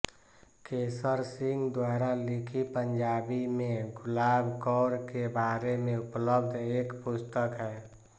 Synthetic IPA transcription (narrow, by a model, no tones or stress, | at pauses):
kesəɾsiŋɡd̪waɾalikʰipəɲd͡ʒabimẽɡʱulabʱkɔːɾkebaɾemẽupləbd̪ʱekpust̪əkɦɛ